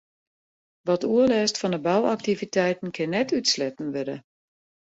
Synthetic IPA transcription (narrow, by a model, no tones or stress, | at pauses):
ʋɔtuəlɛːstfɔnəbawak̚tivitʰɛjtn̩kʰɪnːɛtʰytslɛtn̩ʋødə̰